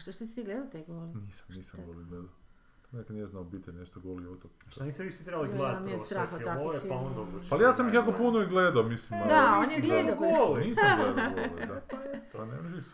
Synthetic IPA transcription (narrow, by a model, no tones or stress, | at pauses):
ʃt̪oʃt̪osit̪iɡled̪at̪eɡooliniːsḁmniːsaɡoliɡled̪ao | t̪onekanieznaobit̪eneʃt̪oɡoliot̪okʃnist̪eʋiʃit̪ɾebaliɡled̪amiest̪ɾaxat̪aoaond̪obalijaːsamixjaːkopunoiɡled̪aomislimd̪aniɡolniːsɡled̪d̪at̪onḛmʒis